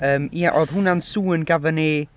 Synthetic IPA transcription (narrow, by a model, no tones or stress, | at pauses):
əːmjaʔoðɦʊnansuːənɡavəneː